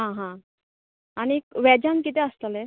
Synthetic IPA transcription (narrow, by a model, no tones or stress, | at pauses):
ɦãɦã | añikʋɛd͡ʑankit̪eəst̪ale